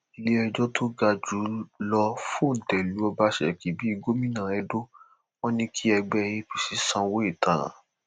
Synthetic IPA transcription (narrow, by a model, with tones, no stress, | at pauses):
i˧le˦ɛ˧d͡ʒɔ˦tʰo˦ɡa˧d͡ʒu˨˦lɔ˧fũ˦˨n̩˨tɛ˨lu˨˦ɔ˧ba˧˦ʃɛ̰˨ki˨˦bi˦i˦˧ɡo˦mĩ˦nã˨ɛ˨˦do˦ | o˦nĩ˦kʰi˦ɛ˧ɡ͡bɛ˦˧jĩ˦pi˨si˨˦sã˧wo˦e˦˨tã˨ɾã̰˨